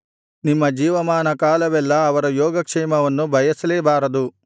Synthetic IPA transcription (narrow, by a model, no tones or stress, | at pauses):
nimːɐd͡ʒiːʋɐmaːnɐkaːlɐʋɛlːɐːʋɐɾɐjɔːɡɐkʂɛːmɐʋɐnːubʱɐjɐsɐleːbaːɾɐd̪u